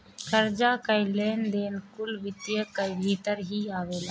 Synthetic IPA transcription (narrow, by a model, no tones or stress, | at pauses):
kʰəɾd͡ʒaːkəjleːnd̪eːnkʊlbɪt̪jəkəibʱiːt̪əɾɦiaːʋeːlaː